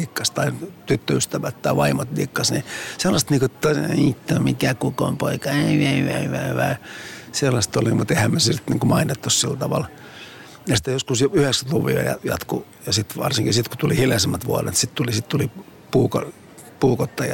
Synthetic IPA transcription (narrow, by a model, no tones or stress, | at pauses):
ikːɑst̪ɑit̪yt̪ːøyst̪æʋæt̪t̪ɑiʋɑimot̪likːɑsniselːɑst̪niːkot̪t̪oit̪ːomikækuko̰mpoikɑeeʋæ̰ʋæʋæiselːɑst̪olimut̪ehæmmesilt̪niːŋkomɑinet̪ːossilt̪ɑʋɑ̰l | jɑst̪ejoskusjoyheksæt̪luʋḭɑ̰jɑ̰jɑ̰t̪kṵ | jɑsit̪ʋɑ̰rsiŋkisit̪ku̥t̪ulihiljɑsemːæt̪ʋuɑrḛt̪sit̪t̪ulisit̪t̪uli | puːko̰ | puːkot̪ːɑjɑ